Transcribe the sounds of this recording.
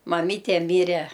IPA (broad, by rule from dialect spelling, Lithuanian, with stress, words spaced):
mɐˈmʲiːtʲɛ ˈmʲiːrʲɛ